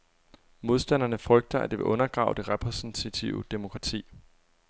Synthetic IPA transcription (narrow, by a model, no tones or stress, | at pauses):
mo̝ð̞ˠsd̥æn̰ɐnəfʁœɡ̥̚d̥ɐæ̰d̥e̝ʋe̝ʔɔ̽nɐɡ̥ʁɑ̰̈ːʊd̥e̝ʁɛpʰʁɛsn̩t͡sʰæt͡sʰiʊəd̥emo̝kʰʁɑ̈t͡sʰḭː